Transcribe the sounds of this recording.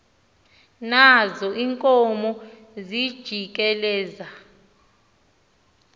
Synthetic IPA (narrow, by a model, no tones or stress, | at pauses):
nazɔʔiŋkʼɔmɔ | zid̥ʒ̥ʱikʼɛlɛːza